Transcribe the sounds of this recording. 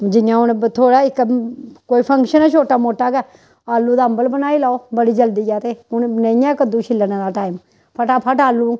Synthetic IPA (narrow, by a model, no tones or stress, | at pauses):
d͡ʒɪjãːʊnt̪ʰoːɽaːɪkkoːiːpʰəŋkʃənaːt͡ʃʰoːʈaːmoːʈːaːɡɛː | aːlːũːd̪aəmbəlbənaːiːlaːoːbəɽiːd͡ʒəld̪iːɡaːt̪eːʊnnəĩːãːkəd̪ũːt͡ʃʰɪlənaːɾaːʈaːɪm | pʰəʈaːpʰəʈaːlːũː